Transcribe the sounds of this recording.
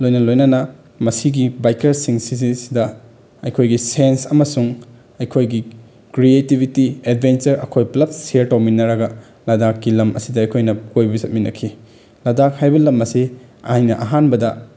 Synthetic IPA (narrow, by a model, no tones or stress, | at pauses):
lojnɐnɐlojnɐnɐ | mɐsiɡibajkɐɾsiŋsizisdɐ | ɐjkʰojɡisensɐmɐsuŋ | ɐjkʰojɡi | kɾietibʱitied̚bʱent͡ʃɐɾɐ̰kʰojplɐt̚seɾtawminːɐɾɐɡɐ | lɐdakːilɐmɐ̰sidɐːjkʰojnɐkojbɐbisɐt̚minɐ̰kʰi | lɐdak̚hajbɐlɐmɐsi | ajnɐʔɐɦanbɐdɐ